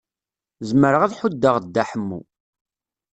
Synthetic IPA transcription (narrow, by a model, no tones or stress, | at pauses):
zəməɾəʁaðħud̪ːəʁd̪ːaħəmːṵ